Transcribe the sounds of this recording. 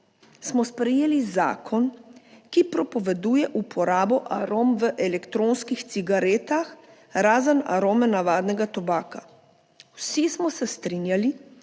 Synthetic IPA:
smɔspɾɛjeːliza̰ːkʰɔnkipɾɔpɔʋɛd̪uːjɛʔupʰɔɾaːbɔʔaɾoːmʋəʔɛlɛkt̪ɾoːnskixt̪siɡaɾeːt̪ax | ɾaːzəna̰ɾoːmɛnaʋaːd̪nɛɡat̪ɔbaːka | wsismɔsɛst̪ɾinjali

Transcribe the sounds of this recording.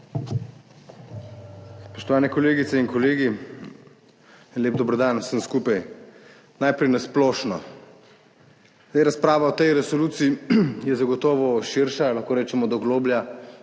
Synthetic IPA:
spɔʃt̪ɔʋaːnɛkɔleːɡit̪ɛinkɔleːɡi | leːb̚d̪ɔbɾɔd̪ansənskuːpaj | najpɾɛjnasplɔːʃnɔ | eɾaspɾaːʋaɔt̪ɛjɾɛsoluːt̪siijɛzaɡɔt̪ɔːʋɔʃiɾʃalaxkoːɾɛːt͡ʃɛmɔd̪ɔɡloːblja

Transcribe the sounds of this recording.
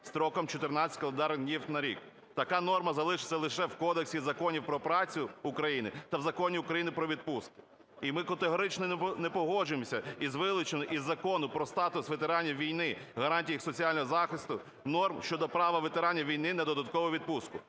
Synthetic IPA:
st̪ɾɔkɔmt͡ʃɔt̪ɪrnɑt͡sʲɐ̥tʲkɐlˠend̪ɑɾd̪ʲnʲiwt̪ʲnɐɾʲḭk | t̪ɐkɑnɔrmɐzɐlˠɪʃɪ̥t͡sʲːɐlˠɪʃɛwkɔd̪eksʲizɐkɔnʲiwpɾɔpɾɑt͡sʲʊʊkɾɐjinɪt̪ɐwzɐkɔnʲiʊkɾɐjinɪpɾɔʋʲid̪̚puskɪ̥ | imɪkɐt̪eɦɔɾɪt͡ʃnɔnɛpɔɦɔʒʊemɔsʲɐizʋɪlˠɪt͡ʃenɔʔizːɐkɔnʊpɾɔst̪ɑt̪ʊsʋet̪eɾɑnʲːɐʋʲijnɪɦɐɾɑnʲtʲijixsɔt͡sʲiɑlʲnɔɦɔzɑxɪst̪ʊ | nɔrmʃt͡ʃɔd̪ɔpɾɑʋɐʋet̪eɾɑnʲːɐʋʲijn̪ɪnɛd̪ɔd̪ɐt̪̚kɔʋɔʋʲid̪̚puskʊ

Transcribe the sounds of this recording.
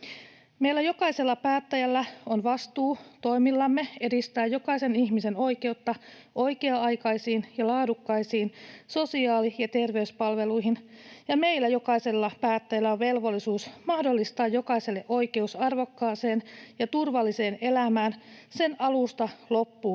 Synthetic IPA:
me̞ilːæjo̞kɑise̞lːɑpæːt̪ːæjælːæonʋɑst̪uːt̪o̞imilːɑmːe̞e̞dist̪æːjjo̞kɑise̞niçmise̞no̞jke̞ut̪ːɑ | ʔo̞jke̞ɑɑjkɑjsiːnjɑlɑːdukːɑisiːnso̞siɑːlijɑt̪e̞rʋe̞yspɑlʋe̞lujɦinjɑme̞ilːæjo̞kɑise̞lːɑpæːt̪ːæjælːæoʋʋe̞lʋo̞lːisuːsmɑhdo̞lːist̪ɑːjjo̞kɑise̞lːe̞ʔo̞jke̞usɑrʋo̞kːɑːse̞ːnjɑt̪urʋɑlːise̞ːne̞læmæːnse̞nʔɑlust̪ɑlo̞pːuː

